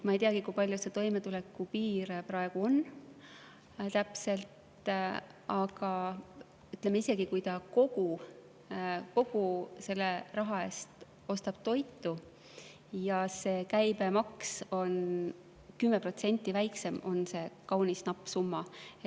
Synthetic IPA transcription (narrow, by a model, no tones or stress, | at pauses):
mɑejt̪iɑɡ̥ikujpɑlʲjuse̞t̪o̞jme̞t̪ule̞kːupiːɾprɑe̞ɡ̥uo̞n | t̪æpse̞lt̪ | ɑɡ̥ɑ | yt̪lemːeise̞ɡ̥ikujt̪ɑko̞ɡ̥u | ko̞ɡ̥use̞lːerɑɦɑe̞st̪ | o̞st̪ɑb̥̚t̪o̞jt̪ːˑu | jɑse̞ːkæjbe̞mɑkso̞n | kymːe̞pro̞t̪se̞nʲt̪ːˑivæjkse̞mo̞̰nse̞kɑwnisnɑpːˑsumːɑe